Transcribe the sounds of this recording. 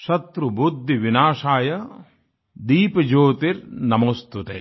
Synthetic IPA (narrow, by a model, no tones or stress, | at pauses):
ʃɐt̪ɾubud̪ʱːiʋinaːʂaːjɐ | d̪iːpɐd͡ʒoːt̪iɾnɐmɐst̪ut̪ḛː